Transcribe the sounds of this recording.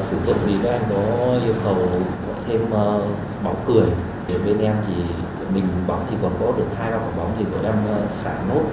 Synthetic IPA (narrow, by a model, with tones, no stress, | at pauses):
sɨ˧˩zʊ̰˧˨ŋ͡mzʰi˨˩ɗə˨˦ʔa˧jŋ̟kɔ˨˦ʔi˧əwkə˨˩wkɔ̰˧˩jt̪ʰe˧məː˧ | ɓa˨˦wkɨ˨˩əj | ɗe˧˩ɓe˧nʔɛ˧mt̪ʰi˨˩˧ | mï˨˩ŋ̟ɓa˨˦wt̪ʰi˨˩kɔ˨˩nkɔ˨˦ɗɨ˨˩ək̚haː˧jkaː˧˩kɔ˨˩ɓa˨˦wt̪ʰi˨˩kə̰˨˧˩ʔɛ˧mː˧saː˧˩no˦˥t̚